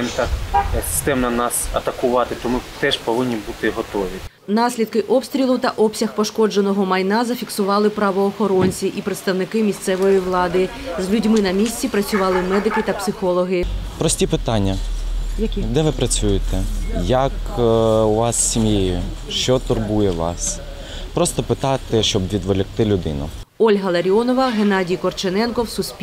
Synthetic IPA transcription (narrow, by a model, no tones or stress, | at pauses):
ɪmt̪ɑksɪ̥st̪ɛmnɐnɑsɐ̰t̪ɐkʊʋɑt̪ɪt̪ɔmɪt̪ɛʒpɔʋɪnʲːibut̪ɪɦɔt̪ɔʋʲi | nɑsʲlʲid̪̚kɪʔɔpst̪ʲɾʲilˠʊt̪ɐʔɔpsʲɐxpɔʃkɔd͡ʒenɔɦɔmɐjnɑzɐfʲiksʊʋɑlˠɪpɾɐʋɔːxɔɾɔnʲt͡sʲiʔipɾet̪st̪ɐwnɪkɪmʲisʲt̪sɛʋɔjiʋlˠɑd̪ɪ | zlʲʊdʲmɪnɐmʲisʲt͡sʲipɾɐt͡sʲʊʋɑlˠɪmɛd̪ɪkɪt̪ɐpsɪxɔlˠɔɦɪpɾɔsʲtʲipɪt̪ɑnʲːɐ | d̪ɛʋɪpɾɐt͡sʲujɪt̪ɛjɐk | ʊʋɑsːʲimʲjejʊʃt͡ʃɔt̪ʊrbujɛʋɑ̰s | pɾɔst̪ɔpɪt̪ɑt̪ɪʃt͡ʃɔbʋʲid̪ʋɔlʲɪkt̪ɪlʲʊd̪ɪ̰nʊ̰ | ɔlʲɦɐlˠɐɾʲɔnɔʋɐɦenɑdʲijkɔrt͡ʃenɛnkɔwsʊsʲpʲ